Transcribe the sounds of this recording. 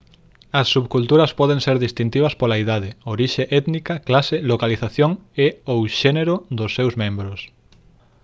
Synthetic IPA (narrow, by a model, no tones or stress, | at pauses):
ɐsːuβkult̪uɾɐspɔð̞eŋseɾðist̪int̪iβ̞ɐspolaiðaðɪoɾiʃeʔɛt̪nikɐklaselokaliθaθjoŋeowʃeneɾod̪osːewzmẽmbɾos